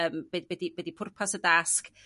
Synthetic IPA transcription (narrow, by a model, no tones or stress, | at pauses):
əːmb̥ɛbɛdibɛdipʰʊrpʰasədask